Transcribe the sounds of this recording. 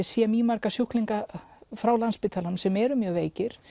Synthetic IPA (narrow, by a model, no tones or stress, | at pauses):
siamiːmaɾkasjuhkliŋkafɾawlanspɪːt̪ʰalamsɛmɛɾʏmjœːɣveːjcɪɾ̥